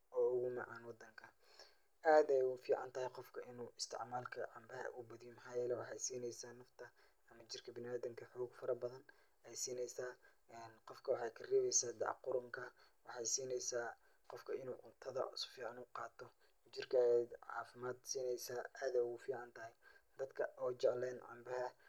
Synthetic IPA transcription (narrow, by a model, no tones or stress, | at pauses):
ʔɔːʊɣʊmɑʕɑːnwɑd̪ɐŋkʰɐ | ʔaːd̪ɛjʊfiːʕɑ̰nt̪ʰɐhɪjqɔfkʰɐʔɪnuːɪst̪ʰɪ̰ʕmaːlkʰɐ̰ʕɑmbɐɦɐ̰ʔʊbɐðiːmħɑːjɛːlɛwɑħɑjsiːnɛjsaːnɐft̪ʰɐ | ɐmɐt͡ʃɪrkʰɐbɪnɪaːd̪ɪmkʰɐħɔːɡfɐɾɐbɐðɐn | ɛjsiːnɛjsaː | ɛːnqɔfkʰɐwɑħɑjkʰɐriːβɛjsaːd̪ɑ̰ʕqʊɾʊŋkʰɐwɑħɑjsiːnɛjsaː | qɔfkʰɐɪnuːʔʊt̪ʰɐðɐ̰sfiːʕɑnuːqɑːt̪ʰɔ | t͡ʃɪrkʰɐʕɑ̰ːfɪmaːd̪siːnɛjsaːʔaːðɛjʊfiːʕɑnt̪ʰɐɦɛjd̪ɐd̪kʰɐʔɔːt͡ʃɛʕlɛːnʕɑ̰mbɐɦɐ